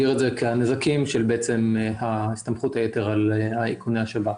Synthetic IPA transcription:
iʁezekeanezakimʃelbeet͡se̞mhaist̪amχuthajeteʁalhaikuneaʃeba

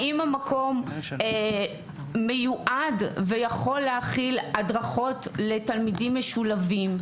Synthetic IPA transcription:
ʔimamakʰo̞m | ejuʔadvejaχo̞lːeaχiladʁaχo̞tle̞talmidimːeʃulavim

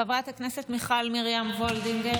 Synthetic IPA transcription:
avʁat̪hakneset̪miχalmiʁjamvold̪imɡe

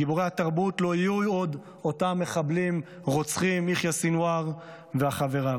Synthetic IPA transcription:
iboʁehataʁbutlo̞ijujod̪ | o̞tamːe̞χablim | ʁo̞t͡sχimiχjasinwaʁ | veaχave̞ʁa

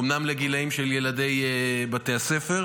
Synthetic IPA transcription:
mnamleɡilaimʃeljelade̞jbatease̞fe̞ʁ

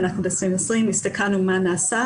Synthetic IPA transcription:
naχnubesʁimosʁimistakʰanumanaːsa

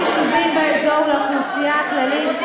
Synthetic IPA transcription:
aʃuvimbeezo̞vleaχnasijaːklalit

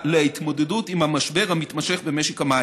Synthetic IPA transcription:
lait̪modedutimamaʃbɛʁhamit̪maʃɛχbəmɛʃɛkama

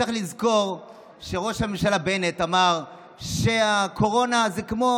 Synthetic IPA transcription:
aχlizko̞ʁ | ʃe̞ʁo̞ʃhamemʃalabe̞netamaʁ | ʃe̞akʰo̞ʁo̞nazekmo̞

